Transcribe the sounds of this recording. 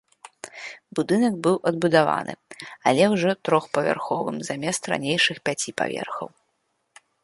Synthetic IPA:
bud̪ɨnɐk̚bɨwʔɐd̪̚bud̪ava̰nɨ̰ɐlʲɛwʐɔt̪ɾɔxpɐvʲa̰rxɔvɨ̰mzamʲɛst̪ɾa̰nʲejʂɨxpʲat͡sʲipa̰vʲɛ̰rxɐ̰w

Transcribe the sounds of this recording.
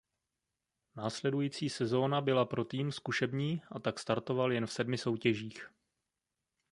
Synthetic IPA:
naːslɛdujiːt͡siːsɛzo̞ːnabɪlapɾo̞t̪iːmskuʃɛbɲiːʔat̪akst̪aɾt̪o̞valjɛnfsɛdmɪso̞wcɛʒiːx

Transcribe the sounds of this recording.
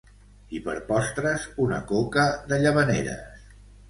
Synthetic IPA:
ipə̰ɾpɔst̪ɾəzunə̰kokəðəʎəβənḛɾə̰s

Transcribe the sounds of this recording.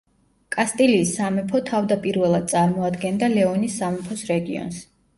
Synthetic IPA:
kʼast̪ʼiliːsːamɛpʰɔt̪ʰavd̪apʼiɾvɛlˠad̪̚t̪sʼaɾmɔad̪ɡɛnd̪alɛɔnisːamɛpʰɔsɾɛɡḭɔ̰ns

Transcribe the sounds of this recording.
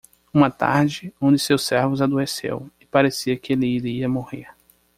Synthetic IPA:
ũmɐt̪a̰ɾd͡ʒɪõd͡ʒɪsewsɛɾvʊzad̪oesḛwɪpaɾesiɐkɪelɪiɾiiɐmoheɾ

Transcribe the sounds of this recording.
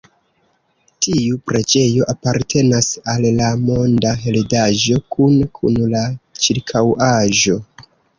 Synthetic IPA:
tʰiupɾe̞d͡ʒe̞jo̞ʔapaɾtʰe̞nasalːamo̞ndaɦeledaʒo̞kunkʰṵnlat͡ʃiɾkʰawaʒo̞

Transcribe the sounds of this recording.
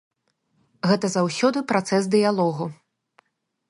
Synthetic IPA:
ɣɛt̪ɐzawsʲɔd̪ɨpɾat̪sɛsd̪ɨjalˠɔɣu

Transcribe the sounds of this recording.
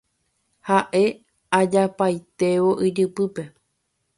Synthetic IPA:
haʔe̞ | ad͡ʒapajt̪e̞ʋo̞ʔid͡ʒɨpɨpe̞

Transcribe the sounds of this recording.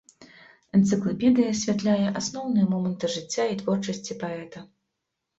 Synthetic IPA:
ɛnt̪sɨklˠapʲɛd̪ɨjɐsʲvʲat̪lʲajɛʔasnɔwn̪ɨjɐmɔmɐnt̪ɨʐɨt͡sʲːait̪vɔrt͡ʂɐsʲt͡sʲipaɛt̪ɐ

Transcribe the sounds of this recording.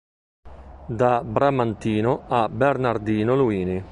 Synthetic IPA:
d̪abɾamant̪iːnoabernaɾd̪iːnoluiːni

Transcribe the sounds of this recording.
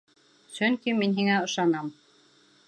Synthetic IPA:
sɵŋkiminɦiŋæɤ̆ʃɑnɑm

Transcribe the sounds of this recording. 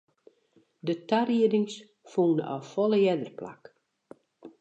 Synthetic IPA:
dətariədɪŋs | fuːnɔ̰fɔlˠəjɛdərpla̰k

